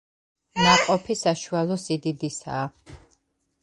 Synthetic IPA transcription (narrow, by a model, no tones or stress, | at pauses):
naqʼɔpʰisaʃualˠɔsid̪id̪isa̰ː